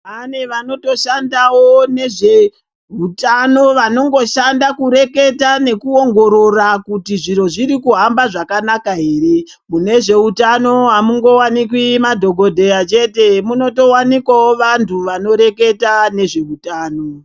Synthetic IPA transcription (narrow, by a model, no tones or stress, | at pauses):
aneʋano̞to̞ʃandawo̞ne̞ʐe̞ | ɦutano̞ʋano̞ŋɡo̞ʃandakuɾe̞ke̞tane̞kuo̞ŋɡo̞ɾo̞rakutiʐiro̞ʐiɾikuɦambaʐakanakaɦe̞ːre̞ | mune̞ʐe̞utano̞ɦamuŋɡo̞wanik̬wimadʱo̞ɡʱo̞dʱe̞jat͡ʃe̞te̞muno̞to̞wanikwawoʋantʰuʋano̞ɾe̞ke̞tane̞ʐe̞utaːno